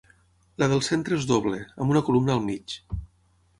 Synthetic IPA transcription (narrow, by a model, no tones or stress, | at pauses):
ləðəlˠsent̪ɾəezðoβleəmbunəkulumnəːlˠmit͡ʃ